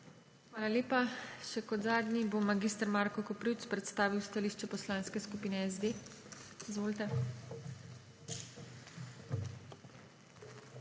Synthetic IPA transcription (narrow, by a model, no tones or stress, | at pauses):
xʋaːlaleːpaʃɛkɔd̪zaːd̪nʲibomːaɡiːst̪ɾmaːɾkɔkɔpɾiwt̪spɾɛt̪st̪aːʋiwst̪aliʃt͡ʃɛpɔslaːnskɛskupiːnɛɛzd̪eːizʋoːlt̪ɛ